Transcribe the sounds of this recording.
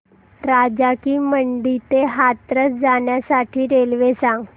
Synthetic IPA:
ɾad͡ʑakiːməɳɖit̪eɦat̪ɾət͡sd͡zaɳjasaʈʰiːɾelʋesãŋɡ

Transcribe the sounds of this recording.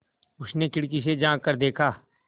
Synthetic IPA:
ʊsnekɪɽkised͡ʒãːkəɾd̪eːkʰaː

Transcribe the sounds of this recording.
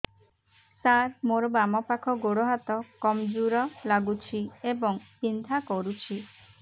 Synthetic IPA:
saɾmoɾɔbamɔpakʰɔɡoɽɔɦat̪ɔkɔmd͡ʒuɾɔlaɡut͡ʃʰiebɔŋt͡ʃind̪ʱakɔɾut͡ʃʰi

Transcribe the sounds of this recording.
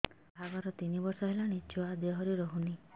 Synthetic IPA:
bʱabaɾɔt̪inibɔɾsɔɦelanit͡ʃuad̪jɔɦɔɾiɾɔɦuni

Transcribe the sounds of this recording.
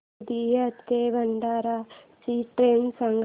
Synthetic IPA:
d̪iːjɐt̪keːʋɐɳɖaːɾa | t͡ʃiʈɾeːnsɐŋɡ

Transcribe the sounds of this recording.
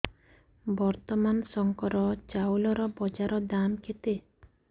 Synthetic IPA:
bɔɾt̪ɔmansɔŋkɔɾɔt͡ʃawlɔɾɔbɔd͡ʒaɾɔd̪amkʰet̪e

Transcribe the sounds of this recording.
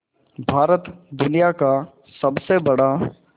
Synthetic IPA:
bʱaːɾət̪d̪ʊnijaka | sɐbsebɐɽa

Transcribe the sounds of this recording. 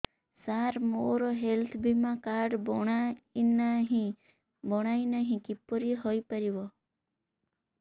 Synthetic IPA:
saɾmoɾoɦelt̪ʰbʱimãkaɾɖbɔɳanɦĩ | bɔɽ̃ainəɦĩkipːoɾiɦoipəɾiʋo

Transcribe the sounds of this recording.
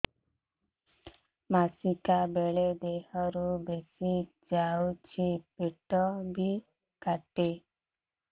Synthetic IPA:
masikabeɭed̪ehɔɾubesi | d͡ʒawt͡ʃʰipeʈɔbʱi | kaʈe

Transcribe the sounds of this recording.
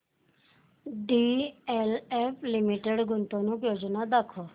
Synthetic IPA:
ɖiːɛːlɛːpʰlɪmiʈeɖɡʊnt̪õːnũːpjoːd͡ʒnaːd̪əkʰːoː

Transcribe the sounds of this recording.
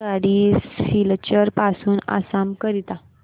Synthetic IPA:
aɽiːfilt͡ɕəɾpasuːna̰sambkəɾit̪a

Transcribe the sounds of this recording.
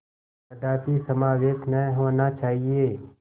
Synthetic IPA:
əd̪aːt̪isəmaːʋeːʃnəɦoːnat͡ʃaːɦieː

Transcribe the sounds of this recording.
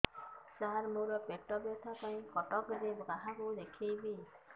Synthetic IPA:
saɦaɾmoɾɔpek̚ʈɔbjɔt̪ʰakaĩkɔʈɔkɾebɡaɦãkud̪ekʰibi

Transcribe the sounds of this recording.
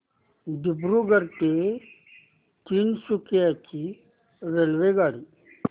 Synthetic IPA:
d̪ɪbɾuɡəɾt̪e | t͡ʃ̪iːnsukjaki | ɾelʋeɡaːɽiː

